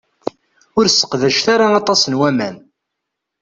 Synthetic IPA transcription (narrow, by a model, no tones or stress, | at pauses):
ʊɾsːə̥qðæʃθaɾaɑt̪ˤɑsənwæmæn